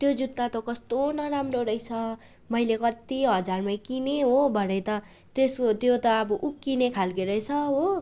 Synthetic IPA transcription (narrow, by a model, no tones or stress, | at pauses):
t̪jod͡zut̪ːat̪okʌst̪onʌɾamroɾʌjt͡sʰʌ | mʌjlekʌt̪iɦʌd͡zarmajkineɦobʱʌɽʌjt̪ʌ | t̪eskot̪jot̪ʌːbʌʔukːinekʰalkeɾʌjt͡sʰʌɦo